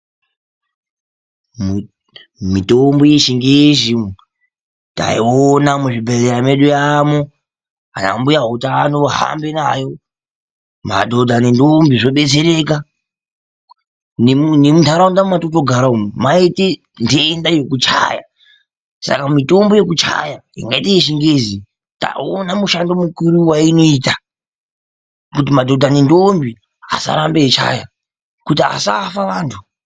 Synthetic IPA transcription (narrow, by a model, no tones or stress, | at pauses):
mitombojeʃiŋɡeʃi | ta̰ionamuʐibʱereɾameɗujamo | a̰na̰mbujaɦutanoɦa̰mbenajo̞ | ma̰dʱo̞dʱanendombiʐo̞ɓe̞t͡seɾeka | nenemundʱaɾaundamatotoɡʱaɾaumaite | ndendajo̞kut͡ʃa̰ja̰ | sa̰kamito̞mbo̞je̞k̬ut͡ʃa̰jaḭŋɡaiteeʃiŋɡe̞zi | ta̰onamuʃandomukuɾuwaino̞iːta | kut̬imadʱo̞dʱanendombi | a̰sa̰ɾambet͡ʃa̰ːja | kutia̰safaʋaːntʰu